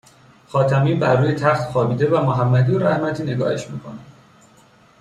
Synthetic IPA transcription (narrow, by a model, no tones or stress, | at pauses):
xɒːt̪ʰæmiːbæɾːuːjet̪ʰæxt̪xɒːbiːd̪e̞væmoɦæmːæd̪ijoɾæhmæt̪ʰiːne̞ɡɒ̰ːhe̞̰ʃmḭːkʰo̞̰næd̪